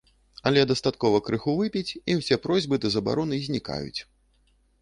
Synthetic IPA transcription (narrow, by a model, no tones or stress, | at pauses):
ɐlʲɛd̪ɐst̪at̪kɔvɐkɾɨxuvɨpʲit͡sʲiwsʲɛpɾɔzʲbɨt̪ɨzɐba̰ɾɔnɨzʲnʲika̰jṵt͡sʲ